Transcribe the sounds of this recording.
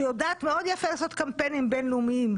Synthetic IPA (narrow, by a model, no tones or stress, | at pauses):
jodaːt̪meo̞d̪jafelaːso̞t̪kampe̞nimbe̞nleumiim